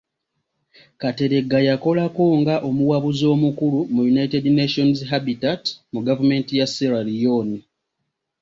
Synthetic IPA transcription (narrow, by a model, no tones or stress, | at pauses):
kate̞ɾe̞ɡːajako̞lako̞ŋɡaʔo̞muwaβuzo̞ːmukulumujunaitedneʃo̞nzɦabitatmuɡavume̞ːntijaseɾaɾijo̞ːni